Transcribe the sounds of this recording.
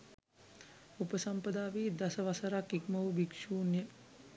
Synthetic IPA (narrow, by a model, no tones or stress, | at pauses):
upəsampəd̪aːʋiːd̪asəʋasəɾakikməʋubikʃuːnjə